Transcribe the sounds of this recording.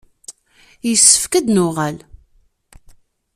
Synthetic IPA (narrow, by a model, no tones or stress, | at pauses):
jəsːə̥fkæd̪nʊʁæl